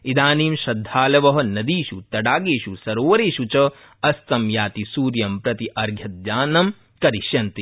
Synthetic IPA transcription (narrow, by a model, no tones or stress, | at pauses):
id̪aːniːmʃɾɐd̪ʱːaːlɐʋɐɦɐ̆nɐd̪iːʃut̪ɐɖaːɡeːʃusɐɾoːʋɐɾeːʃut͡ʃɐ | ɐst̪ɐmjaːt̪isuːɾjɐmpɾɐt̪iʔɐɾɡʱjɐt̪̚jaːnɐm | kɐɾiʃjɐnt̪i